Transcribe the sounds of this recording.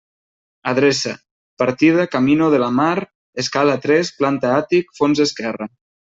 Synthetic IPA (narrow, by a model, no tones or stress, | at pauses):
aðɾɛsa̰ | paɾt̪iðakaminoð̞əlamaɾ | eskalat̪ɾɛsplant̪aat̪ikfonzeskɛra